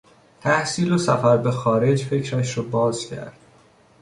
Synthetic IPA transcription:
t̪ʰæhsiːlosæfæɾbe̞xɒːɾe̞d͡ʒfe̞cʰɾæʃɾɔbɒːzcʰæ̰ɾd̪̥

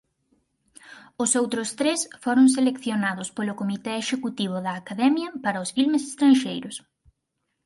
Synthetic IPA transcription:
ʊsowt̪ɾʊst̪ɾesfoɾʊŋs̬elekθjonaðʊspolʊkomit̪ɛeʃekut̪iβ̞ʊðɐːkaðɛmjɐpaɾɐʊsfilmesest̪ɾanʃejɾʊs

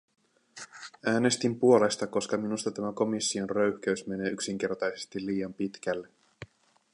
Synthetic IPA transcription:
æːne̞st̪impuo̞le̞st̪ɑko̞skɑminust̪ɑt̪æmæko̞misːio̞nrø̞ɥhk̟æysme̞ne̞ːyksiŋk̟e̞rt̪ɑjse̞st̪ilːiːjɑmpit̪k̟ælːe

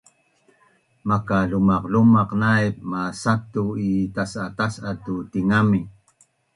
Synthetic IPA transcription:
makaɮumaqlumaqnajp̚masatuitasatasatut̪iŋami

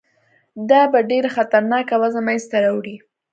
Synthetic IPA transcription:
d̪ɑbaɖeɾaxat̪aɾnɑkawazamajst̪aɾawɽi

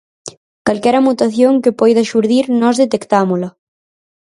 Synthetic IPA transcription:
kalkɛɾɐmut̪aθjoŋkepɔjðaʃuɾðiɾnɔzðet̪ekt̪amolɐ

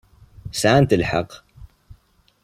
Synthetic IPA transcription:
sant̪əlħɑ̰q

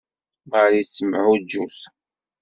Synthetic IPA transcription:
məɾisːəmʕud͡ʒːus

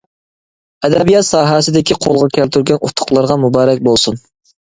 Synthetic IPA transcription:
ɛd̪ɛbijɑt̪sɑːɦɛsɪd̪ɪkʲʰiqʰolˠʁɑkʲʰælt̪ʰyɾɡʲɛnut̪ʰːʊ̥χlˠɑɾʁɑmubɑːɾɛk̚ʲbolˠsun

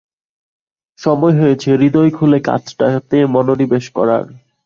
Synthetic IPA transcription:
ʃɔmɔeɦoet͡ɕʰeɾid̪ojkʰuleka̰t͡ɕʰʈat̪emɔnoɾibeʃkɔ̰ɾa̰ɾ

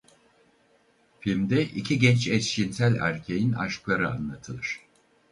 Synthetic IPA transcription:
filʲmd̪ɛʔicʰiɟɛnt͡ʃɛsʃinsælʲæ̰ɾcʰejina̰ʃklˠaɾɯa̰nlˠat̪ʰɯlˠɯɾ̝̥

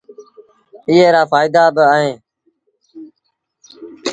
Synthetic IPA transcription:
ɪːeːɾaːfaːɪd̪aːbɪaːɦẽː

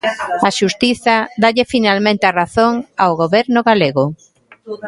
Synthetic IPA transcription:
aʃust̪iθɐd̪aʎɪfinalmẽnt̪ɪaraθoŋawɣoβɛɾnʊɣaleɣʊ

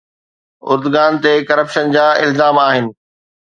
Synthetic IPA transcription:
ʊ̰ɾd̪ʊɡaːnt̪ekɐɾəpʃənd͡ʑaːɪ̰lzaːmaːɦɪnɪ̆

